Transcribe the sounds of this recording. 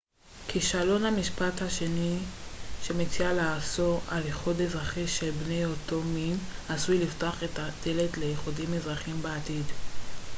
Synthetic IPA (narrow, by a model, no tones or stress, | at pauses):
kʰiʃalo̞nhamiʃpathaʃe̞niʃemet͡sialaso̞aleχudezʁaχiʃe̞lbne̞jo̞to̞minasujliftoaχetad̪̥ele̞tlejeχudimezʁaχimbeatid